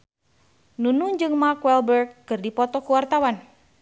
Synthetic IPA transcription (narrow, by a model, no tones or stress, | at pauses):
nunuɲd͡ʒɨŋmakwɛlbərɡ̚ːɨrdipɔt̪ɔkuwart̪awan